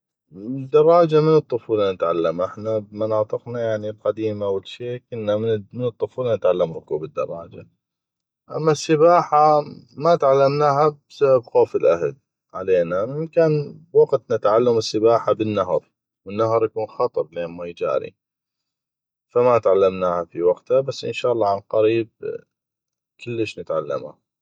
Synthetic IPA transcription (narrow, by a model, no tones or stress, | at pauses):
d̪ːɑɾˤːɑːd͡ʒamɪnɨt̪ˤːʊfuːlanɪt̪ʕalːamʔɪħnabmɑnɑːt̪ˤɨqnajaʕnilqad̪iːmawɪlʃeːkʊnːammɪnɨt̪ˤːʊfuːlanɪt̪ʕalːamɾʊkuːbɪd̪ːɑ̰rˤːɑːd͡ʒa̰ | ʔa̰mːasːɪbaːħamat̪ʕalːamnaːɦabsababxoːfɪlʔahad | ʕaleːnaɪmkaːnwɑɡt̪nɪt̪ʕalːamɪsːɪbaːħabɪnːaɦɾˤ | wənːaɦɾˤjakuːnxɑt̪ˤɨɾˤleːnmajd͡ʒa̰ːɾḭ | famat̪ʕalːamnaːhafiwaqt̪habasːʔɪ̰nʃaːʔlˤːɑːʕanqɑɾiːb̚ | kʊlːəʃnɪt̪ʕalːa̰ma̰